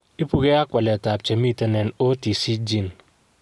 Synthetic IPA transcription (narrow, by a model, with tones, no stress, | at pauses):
i˦pu˦ke˦a˦kʷa˨lɛ˨ta˨p̚t͡ʃe˨mi˦te˦nɛ˨no˦ti˨si˦d͡ʒi˦n